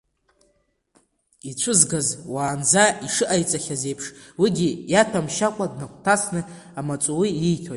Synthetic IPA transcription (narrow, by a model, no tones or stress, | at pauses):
it͡ɕʷʰɨzɡazwaːnd͡zaiʂɨʔajt͡sʼaχʲazejpʰʂwiɡʲijatʷʰamʃakʷʼadnakʷʰʼtʰasnɨ | amat͡ʃʷʼuwirijtʰojtʼ